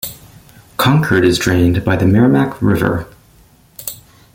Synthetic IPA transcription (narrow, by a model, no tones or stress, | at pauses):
kʰɑ̃ŋkʰə˞ɾɨzdɹẽɪ̃nbaɪðɨmɛɹɨmækɹɪvə̰˞